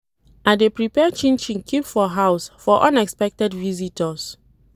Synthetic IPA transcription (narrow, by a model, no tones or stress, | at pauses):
ʔadepɹipɛt͡ʃĩnt͡ʃĩŋkʰipfɔɦawsfɔʔɔ̃nɛkspɛk̚tɛdvizitʰɔs